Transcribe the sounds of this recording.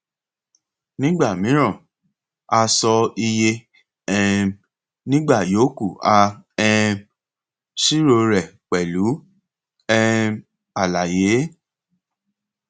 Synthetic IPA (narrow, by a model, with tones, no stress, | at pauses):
nĩ˦ɡ͡ba˦˨mĩ˨˦ɾ̃ã˦˨ | a˧sɔ˧i˧je˧ | ɛ̃˧ | nĩ˦ɡ͡ba˦˨jo˨˦ku˦˨a˧ɛ̃˧ | ʃi˦ɾo˧ɾɛ˨k͡pɛ˨lu˨˦ | ɛ˦˧ | a˨la˨je˨˦